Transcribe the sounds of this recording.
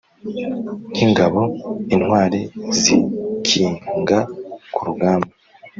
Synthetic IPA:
n̥hiŋɡaβo̞in̥hwaːɾezikʰiːŋɡakʰuɾuɡaːmba

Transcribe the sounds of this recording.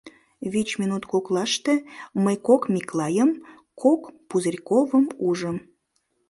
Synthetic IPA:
βit͡ɕmʲinut̪koklɑʃt̪eməjkokmiklɑjəm | kʰokpuzərʲkovəmuʒəm

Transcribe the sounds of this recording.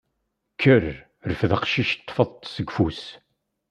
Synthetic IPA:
kʰːəɾ | ɾəfðaqʃiʃt̪ˤːfəðˤt̪ˤsəɡfus

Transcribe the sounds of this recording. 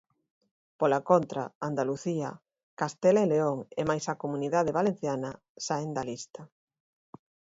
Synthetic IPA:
polakont̪ɾa̰and̪aluθiɐ̰ | kast̪eleleoŋemajsakomuniðaðeβalen̟θjanɐ | saend̪alist̪ɐ

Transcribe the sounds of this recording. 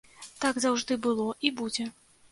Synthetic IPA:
t̪aɡzawʐd̪ɨbɨlˠɔʔibud͡zʲɛ

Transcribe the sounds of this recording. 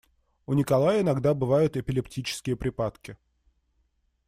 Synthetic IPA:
ʊnʲɪkɐlˠajəɪnɐɡd̪abɨvajʊt̪ɪpʲɪlʲɪptʲit͡ɕɪ̥skʲɪjəpɾʲɪpat̪kʲɪ

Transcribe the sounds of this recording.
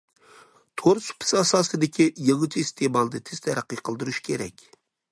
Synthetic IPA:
t̪ʰoɾsu̥pʰɪ̥sɑsɑːsɨd̪ɪkʲijəŋɨt͡ʃʰiːst̪ʰemɑlˠd̪ɨt̪ʰɪst̪ʰɛɾæqːəqʰəlˠd̪uɾuʃkʲʰeɾɛ̰kʲ

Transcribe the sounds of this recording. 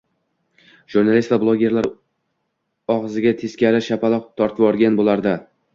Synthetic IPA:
ʒ̥uɾnalˠist̪vablˠoɡʲe̞ɾlaɾ | ɒʁzɪɡʲat̪ʰe̞skʲaɾɪʃapʰalˠɒq̚t̪ʰɒɾt̪ʰɪvɒɾɡʲanbolˠaɾd̪a

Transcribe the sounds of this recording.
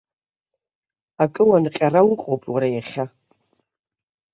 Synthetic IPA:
akʼɨwanɨqʲʼarawʊqʷʼowpʼwaɾajaχʲa

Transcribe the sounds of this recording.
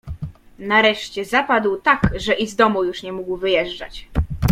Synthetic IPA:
naɾɛʂt͡ɕɛzapad̪wt̪akʐɛʔizd̪ɔmujuʂɲɛmuɡwvɘjɛʐd͡ʐa̰t͡ɕ

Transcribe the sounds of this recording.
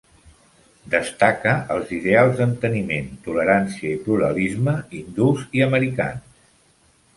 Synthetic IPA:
d̪əst̪akəːlˠziðealˠzd̪ənt̪əniment̪uləɾansiəipluɾə̰lizməind̪uziəməɾika̰ns

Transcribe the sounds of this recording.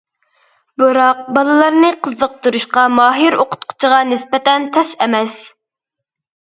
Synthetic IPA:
bɨɾɑq̚bɑlˠɨlˠɑɾnɨqʰəzːəq̚t̪uɾuʃqɑmɑːɦiɾoqʰʊ̥t̪̚qʰʊ̥t͡ʃʰiʁɑnɪspɛt̪ɛnt̪ʰɛsɛmɛs

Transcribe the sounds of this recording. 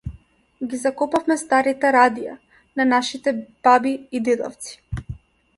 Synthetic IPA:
ɡizakɔpafmɛst̪aɾit̪ɛɾad̪ija̰ | nanaʃit̪ɛb̥abiːd̪ɛd̪ɔ̰ft̪si̥

